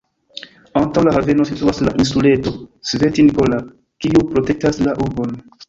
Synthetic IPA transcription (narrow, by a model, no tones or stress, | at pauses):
antawlaɦave̞nosituasla̰ʔinsule̞to̞sve̞tinikola | kiupɾo̞te̞k̚taslaʔuɾbo̞n